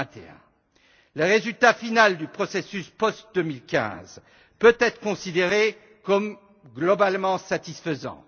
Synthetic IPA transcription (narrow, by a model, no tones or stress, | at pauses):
t̪eɛ̰̃ | ləʁezylt̪afinald̪ypχɔsesyspɔst̪̚d̪əmilkʲɛ̰̃z | pøt̪ɛt̪χə̥kɔ̃sid̪eʁe | kɔm | ɡlɔbalmɑ̃sat̪isfəzɑ̰̃